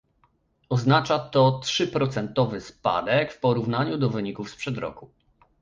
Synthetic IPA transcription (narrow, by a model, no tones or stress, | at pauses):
ɔznat͡ʂat̪ɔtʂɘpɾɔt̪sɛnt̪ɔvɘspa̰d̪ɛkfpɔɾuvnaɲud̪ɔvɘɲikufspʂɛd̪ɾɔ̰ku